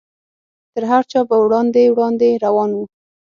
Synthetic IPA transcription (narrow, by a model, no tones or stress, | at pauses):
t̪əɾɦaɾt͡ʃɑbawɽɑnd̪ewɽɑnd̪eɾawɑnwu